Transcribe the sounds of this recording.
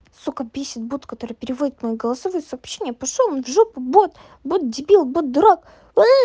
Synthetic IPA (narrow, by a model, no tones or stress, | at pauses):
sukɐbʲesʲɪt̪̚but̪kɐt̪o̞ɾɨpʲɪɾʲɪvodʲɪt̪mɐjiɡəlˠɐsɐvojʊsɐːpɕːenʲɪjəpɐʂonvʐupɨbot̪ | bot̪̚d̪ʲɪbʲilˠbot̪̚d̪ʊɾak